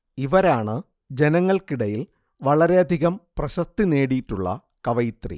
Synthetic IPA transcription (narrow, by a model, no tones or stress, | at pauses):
iʋɐɾaːɳɨ | d͡ʑe̞nɐŋːɐɭkiɽɐjil | ʋɐɭɐɾe̞ɐd̪ʱiɣɐmprɐɕɐst̪ine̞ːɽijitːuɭːɐ̰ | kɐʋɐjt̪rḭ